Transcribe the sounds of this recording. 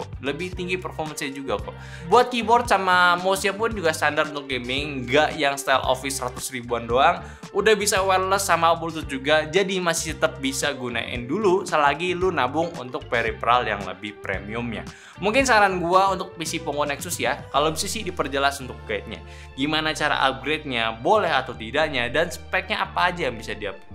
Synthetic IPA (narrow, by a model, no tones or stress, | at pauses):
ləbɪht̪iŋɡipərfɔrmənsjad͡ʒuɡakɔ | buat̪̚kibɔrt̪̚samamosiapʊnd͡ʒuɡast̪andarunt̪ʊk̚ɡemɪŋɡaʔjaŋst̪alʔo̰fɪsrat̪ʊsribuandoaŋ | udahbisawɛrləsːamaobuɾut̪̬ʊt̪̚d͡ʒuɡad͡ʒadimasɪ̥ht̪ət̪əp̚bisaɡuna̰ʔɪ̰ndulusəlaɡilunabʊŋṵnt̪ʊk̚peɾipɾalja̰ŋlə̰bɪhpɾḛmiʊmɲa̰ | muŋkɪnsaɾanɡuaunt̪ʊk̚pisipɔŋɡonɛksʊsjakalobisisidipərd͡ʒəlasunt̪ʊk̚ɡaɪt̪̚ɲa̰ | ɡimanat͡ʃaɾa̰ʔa̰p̚ɡɾet̪̚ɲabolɛɦat̪awt̪idaʔɲadansə̥paɪk̚ɲaapaːd͡ʒajaŋbisadia̰p̚u